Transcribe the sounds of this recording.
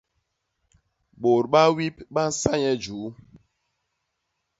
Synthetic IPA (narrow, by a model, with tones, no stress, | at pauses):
ɓo˨ɾɓa˦wi˦pɓa˦n̩˦sa˦ɲɛ˦d͡ʒuː˨˦